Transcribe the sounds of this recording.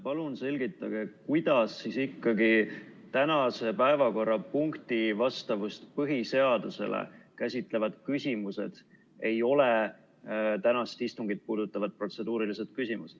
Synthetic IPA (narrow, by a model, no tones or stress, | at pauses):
pɑlunse̞lʲɡ̥it̪ˑːɑɡ̥e̞kujd̪̥ɑsːisikːɑɡit̪ænɑse̞pæevɑko̞rːɑpuŋkt̪ivɑst̪ɑvust̪pɤɦise̞ɑd̪̥use̞̰lḛkæsʲit̪ˑle̞vɑd̪̥kysʲimuse̞̰d̪̥ | e̞jo̞le | t̪ænɑst̪ist̪uŋɡit̪̚puːd̪̥ut̪ːˑɑvɑd̪̚pro̞t̪se̞d̪uːɾilise̞t̪̚kysʲimused̪̥